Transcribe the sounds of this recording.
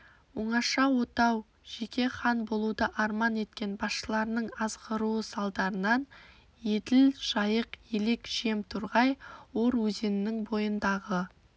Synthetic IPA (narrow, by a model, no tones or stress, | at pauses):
wʊɴɑʃɑwo̞t̪ɑw | ʒ̥e̞kʲʰe̞χɑnbo̞lˠud̪əʔɑɾmɑne̞t̪kʲe̞nbɑsʃəlˠɑɾənəɴɑz̥qəɾuəsɑlˠd̪ɑɾənɑn | je̞d̪ɪlʒ̥ɑjəqje̞le̞kʒ̥e̞mt̪ʰʊɾʁɑjwo̞ɾwɵze̞nɪnɪŋbo̞jənd̪ɑʁə